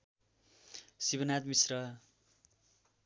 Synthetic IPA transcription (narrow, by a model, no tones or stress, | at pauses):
sibʌnad̪misrʌ